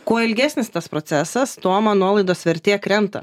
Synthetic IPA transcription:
koɔɪlʲɡʲæːsʲnʲɪst̪ɐspɾot̪sʲæsɐst̪oɔmɐnuɔlˠɐɪd̪oːsʋʲɛɾʲt̪ʲeːɐkɾʲɛnt̪ɐ̰

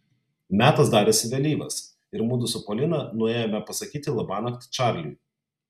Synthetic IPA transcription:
mʲæːt̪ɐsd̪ɑːɾʲeːsʲɪʋʲɛlʲiːʋɐ̰s | ɪɾmuːd̪ʊsʊpɔlʲɪnɐnʊeːjomʲɛpɐsɐkʲiːt̪ʲɪlˠɐbɑːnɐkt̪t͡ʃɑˑɾʲlʲṵː

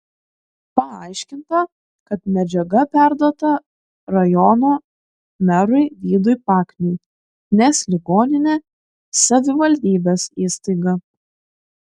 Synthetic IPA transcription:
pɐɐɪʃʲkʲɪnt̪ɐ | kɐt̪mʲɛd͡ʒʲɛɡɐpʲæˑɾd̪oɔt̪ɐ | ɾɐjɔnoː | mʲɛɾʊɪʋʲiːd̪ʊɪpɑːkʲnʲu | nʲɛslʲɪɡoːnʲɪnʲeː | sɐʋʲɪʋɐlʲd̪ʲiːbʲeːsiːst̪ɐɪɡɐ

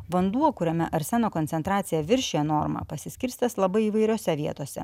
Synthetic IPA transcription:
ʋɐnd̪uɔkʊɾʲɛmʲɛʔɐɾʲsʲɛnoːkonʲsʲɛnt̪ɾɑːt̪sʲɪjɛʋʲɪɾʲʃʲejɛnoːɾmɐ̰pɐsʲɪsʲkʲɪɾʲst̪ʲɐslˠɐbɐɪiːʋɐɪɾʲoːsʲɛʋʲiɛt̪oːsʲɛ̰

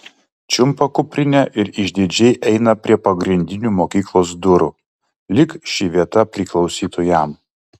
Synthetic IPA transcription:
t͡ʃʲʊmpɐkʊpʲɾʲɪnʲɛʔɪɾɪʒʲd̪ʲɪd͡ʒʲɛɪʔɛɪnɐpʲɾʲiɛpɐɡɾʲɪnʲd̪ʲɪnʲuːmoːkʲiːklˠoːs̬d̪ʊɾʊ | lʲɪkʃʲɪʋʲiɛt̪ɐpʲɾʲɪˑklˠɒʊsʲiːt̪ʰojɛˑm

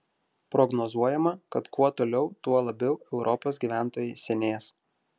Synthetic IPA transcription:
pɾɔɡnɔzuɔjɛmɐkɐt̪kuɔt̪oːlʲɛʊt̪uɔlˠɐbʲɛʊɛʊɾʔɔpoːsɡʲiːʋʲæˑnt̪oːjɛɪsʲɛnʲeːs

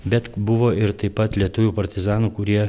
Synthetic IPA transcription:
bʲɛt̪bʊʋoːɪɾt̪ɐɪpːɐt̪lʲiɛt̪ʊʋʲuːpɐɾʲt̪ʲɪzɑːnuːkʊɾʲiɛ

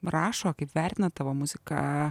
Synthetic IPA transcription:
ɾɑːʃoːkɐɪpʋʲæɾʲt̪ʲɪnɐt̪̚ɑʋoːmʊzʲɪkɐ̰

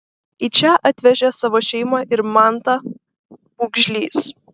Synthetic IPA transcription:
iːt͡ʃʲɛʔɑt̪ʲʋʲɛʒʲɛsɑʋoːʃʲɛɪmɑʔɪɾmɑˑnt̪ɐ | uːɡʒʲlʲiːs

